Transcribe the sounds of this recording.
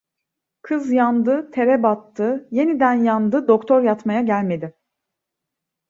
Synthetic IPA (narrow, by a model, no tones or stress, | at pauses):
kʰɯzjand̪ɯt̪ʰe̞ɾɛbat̪ʰːɯje̞nid̪ænjand̪ɯd̪o̞kt̪ʰo̞ɾjat̪majaɟælʲme̞d̪ɪ